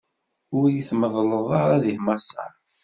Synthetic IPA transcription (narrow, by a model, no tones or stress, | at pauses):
ʊɾjiθməðˤləðˤəʁaðihmɑsːɑ̰ɾˤ